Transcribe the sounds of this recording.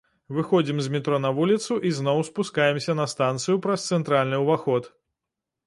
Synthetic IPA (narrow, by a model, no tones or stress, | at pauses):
vɨxɔd͡zʲimzʲmʲit̪ɾɔnɐvulʲit̪suʔiznɔwspuskajɛmsʲɐnɐst̪ant̪sɨjupɾɐst̪sɛnt̪ɾalʲnɨwvaxɔt̪